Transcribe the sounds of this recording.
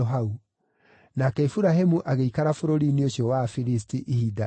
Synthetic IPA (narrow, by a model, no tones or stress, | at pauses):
ɔɦau | nakɛefuɾahemuʔaɣeikaɾafoɾoɾinioɕjɔwafiɾis̬tiʔihida